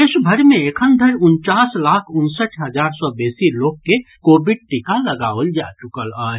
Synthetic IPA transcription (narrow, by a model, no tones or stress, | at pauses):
eʃbʱəɾmẽekʰənd̪ʱəɾʊnt͡ʃaːslakʰʊnsəʈɦəd͡ʒaːɾsɔbeːsiloːɡ̚kːekoːbiɖ̚ʈikaləɡaəld͡ʒa̰t͡ʃukəlaː